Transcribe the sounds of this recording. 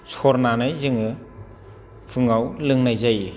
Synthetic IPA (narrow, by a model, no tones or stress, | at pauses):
sʰɔɾnanajzɯŋɯ | pʰɯŋawlɯŋnajzaj